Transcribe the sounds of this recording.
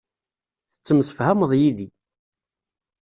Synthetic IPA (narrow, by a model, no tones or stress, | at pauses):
θət͡sːəmsə̥fhæməðˤjiði